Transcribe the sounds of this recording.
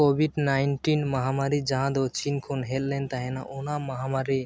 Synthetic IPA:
kobʱiɖnajnʈinməɦamaɾid͡ʒaɦãd̪ɔt͡ʃinkʰonɦellɛnt̪aɦɛnaʔonamaɦamaɾi

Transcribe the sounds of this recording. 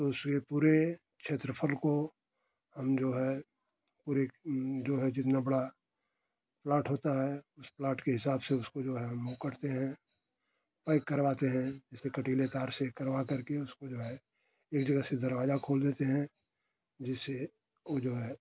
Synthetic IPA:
t̪oʊskepuːɾe | kʃʰeːt̪ɾəpʰəlko | hɐmd͡ʒoːɦɛ | puːɾed͡ʒoːɦɛd͡ʒɪt̪nabɐɽa | plaːʈɦoːt̪aɦɛʊsplaːʈkeɦɪsaːbseʊskod͡ʒoːɦɛɦmːũkəɾt̪eɦɛ̃ | paɪkːɐɾʋaːt̪eɦɛ̃d͡ʒɪsekɐʈiːlet̪aːɾsekɐɾwakɐɾkeʊskod͡ʒoːɦɛ | eːkd͡ʒɐɡased̪ɐɾʋaːzakʰoːld̪eːt̪eɦɛ̃ | d͡ʒɪsːe | od͡ʒoːɦɛ

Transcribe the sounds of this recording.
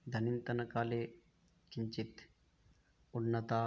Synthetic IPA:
d̪ʱɐnint̪ɐnɐkaːleː | kiɲt͡ʃit̪ | unːɐt̪aː

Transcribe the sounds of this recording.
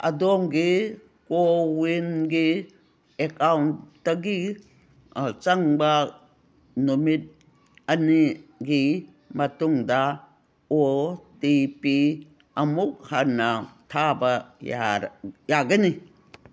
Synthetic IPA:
ɐ̰domɡi | kowinɡi | ekawntː | ɐɡi | t͡ʃaŋbɐ | numit̚ | ɐniɡi | mɐtuŋdɐ | otipi | ɐmuk̚hanːɐtʰabɐajaɡɐni

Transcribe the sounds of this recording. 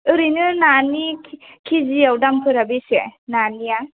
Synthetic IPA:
ɯɾinɯnanikʰiziawdampʰɯɾabisḛnanija

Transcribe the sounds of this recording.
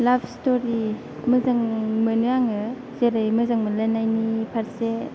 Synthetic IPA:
labʰstoɾi | mɯzaŋmɯnɯaŋɯ | zeɾɯjmɯzaŋməlajnajnipʰaɾse

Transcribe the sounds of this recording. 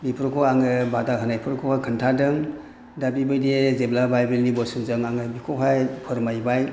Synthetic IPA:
bipʰɯɾkʰɔaŋɯbatakʰɯnajpʰɯɾkʰɔakʰɯntʰadɯŋ | dabibɯjdezeblabajbelnibɔsunzɯŋaŋɯbikʰɔɦʰajpʰɯɾmajbaj

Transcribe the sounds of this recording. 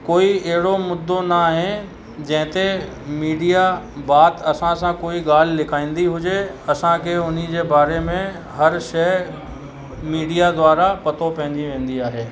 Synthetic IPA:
koːiɛɦɪɽomʊd̪ːonaɦẽ | d͡ʑɛ̃ːɪ̃t̪e | miːɖijabaːt̪ɐsãsãkoːiɡaːl̤lɪkʰaːĩːnd̪iɦʊd͡ʒeɐsãkʰeʊn̤id͡ʑeːbaːɾemẽ | ɦɐɾʃɛː | miːɖijad̪waːɾapɐt̪opɐ̃ɦɪ̃ɲd͡ʑiʋẽːnd̪iaːɦeː

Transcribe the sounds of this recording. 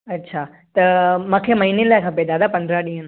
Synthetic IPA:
ɐtːɕʰaː | t̪ɐmãːkʰeːmɐɦiːnelaːkʰapeːd̪aːd̪apɐ̃nd̪ɾaɗĩːɦə̃n

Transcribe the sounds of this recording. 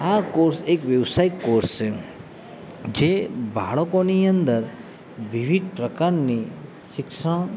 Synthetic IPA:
akoɾsekʋjəʋsaikːoɾst͡ʃʰe | d͡ʒebʱa̰ɭəkoniə̃nd̪əɾ | ʋiʋid̪̚pɾəkaɾni | ʃɪkʃə̃

